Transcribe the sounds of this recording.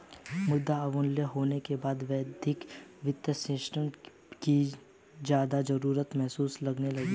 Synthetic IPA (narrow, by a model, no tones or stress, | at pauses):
mʊd̪ːaɐʋʊnljəɦoːnekebaːd̪ʋɛːd̪ɪkʋɪt̪jəsɪsʈəm | ki | d͡ʒjaːd̪ad͡ʒɐɾuːɾət̪mɛɦsuːslɐɡnelɐɡi